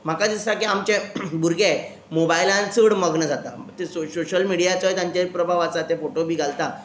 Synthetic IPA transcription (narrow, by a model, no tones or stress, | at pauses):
m̤akad̪isakiamt͡ɕebʱuɾɡe | mobailãnt͡səɽməɡnəd͡zʱat̪at̪esosoɕəlmiɽijat͡sajt̪jãɲt͡ɕaipɾəbʱaʋat͡sat̪efoʈobʱiːɡʱalt̪a